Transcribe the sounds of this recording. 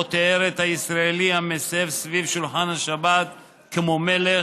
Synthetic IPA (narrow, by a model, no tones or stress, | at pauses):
ot̪eeɾet̪haisɾaeliamesevsvivʃulħanhaʃabat̪̚ | kemomele